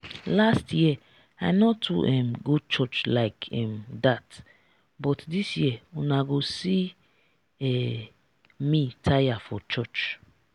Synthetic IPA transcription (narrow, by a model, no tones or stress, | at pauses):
lastʰjiɛ | aɪnɔtʰṵʔɛmɡud̚t͡ʃɔt͡ʃlaɪkʰɛmdat | bɔtdisjiɛunaɡosi | ɛ | mitʰajafɔt͡ʃɔt͡ʃ